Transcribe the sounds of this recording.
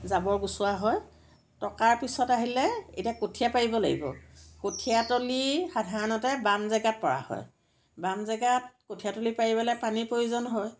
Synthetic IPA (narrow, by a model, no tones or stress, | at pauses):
zabɔɹɡusʊwaɦɔj | tɔkaɹpisɔtaɦilɛḛtiakotʰijapaɹibɔla̰ɡḭbɔ̰kotʰijatolixadʱaɹɔnɔtɛbamzɛɡat̚pɔɹa̰hɔ̰j | bamzɛɡat̚kotʰiatolipaɹibɛlajpanipɹojuzɔnɦɔj